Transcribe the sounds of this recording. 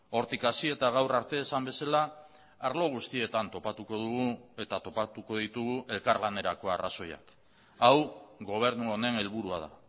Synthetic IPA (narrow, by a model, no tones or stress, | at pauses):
o̞ɾt̪ikasie̞t̪aɣ̞awɾaɾt̪e̞ːsambe̞salaː | ɾlo̞ɣ̞ust̪ie̞t̪ant̪o̞pat̪uko̞ðuɣue̞t̪at̪o̞pat̪uko̞ðit̪uɣuʔe̞lkaɾlane̞ɾako̞araso̞ja̰k | awɣo̞β̞e̞ɾnuo̞ne̞ne̞lβuɾuaða̰